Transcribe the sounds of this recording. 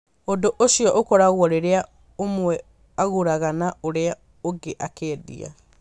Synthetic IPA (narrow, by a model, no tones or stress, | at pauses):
ondoʔoʃiɔʔokɔɾaɣwɔɾeɾea | omwɛ | aɣoɾaɣanaoɾea | oɡeʔakɛːðḭa̰